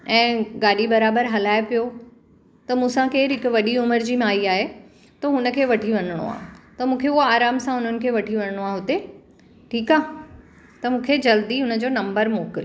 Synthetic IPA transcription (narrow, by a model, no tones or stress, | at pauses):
ɛ̃ːɡaːɗibɐɾaːbəɾɦɐlaːepijo | t̪ɐmũːsãkeːɾɦɪkʊ̆ʋɐɗiʊməɾd͡ʑiːmaːiaːɦe | t̪ɐɦʊnəkʰeːʋɐʈʰiʋɐnəɽ̃o̰a̰ːɦt̪ɐmũːkʰeuɦoaːɾaːmsãʊn̤ənɪ̆kʰeːʋɐʈʰiʋɐnəɽ̃oaːɦʊt̪e | ʈʰiːkaː | t̪ɐmũːkʰed͡ʑɐld̪iɦʊnə̆d͡ʑoːnɐ̃mbəɾmoːkɪl